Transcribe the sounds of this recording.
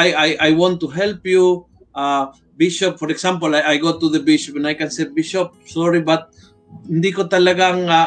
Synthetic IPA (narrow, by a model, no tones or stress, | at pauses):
ajajajwɔ̃nt̪ːuɦɛlpju | ʔa | biʃɔp̚fɔɾɛksamp̬olajajɡot̪uðəbiʃɔpɛ̃najkansɛt̚biʃop̚sɔɾibat̪̚ | hɪnd̪ikot̪alaɡaŋa